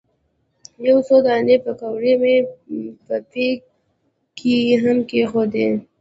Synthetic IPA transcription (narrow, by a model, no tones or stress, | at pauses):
jawsod̪anepəkawɾemepət̪e | kʰiɦamkexod̪e